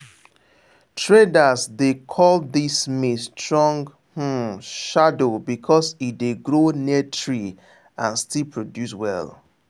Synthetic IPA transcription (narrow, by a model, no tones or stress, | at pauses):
tʰɹedasdekʰɔldismestʰɹɔ̃ŋɡ | h̩ʃadobikʰɔsitdeɡɹoniətʰɹi | ãnstilpʰɹodjuswɛ̰l